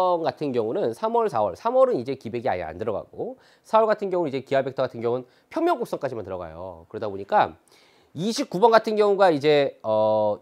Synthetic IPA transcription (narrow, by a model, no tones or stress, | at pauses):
nɡatʰɯnɡjʌŋunɯnsʰamwʌɭsʰawʌ̰ɭsʰamwʌɾɯnid͡ʑe̞kibe̞ɡia̰ɲa̰ndɯɾʌɡa̰ɡo | sʰawʌɭɡatʰɯnɡjʌŋunɯnid͡ʑe̞kiabe̞k̚tʰʌɡatʰɯnɡjʌŋuɯn | pʰjʌŋmːjʌŋk͈oks͈ʌŋk͈ad͡ʑimantɯɾʌ̰ɡa̰jo̰kɯɾʌdaboɲik͈a | iɕʰip̚k͈ubʌnɡatʰɯnɡjʌŋuɡaid͡ʑe̞ʌ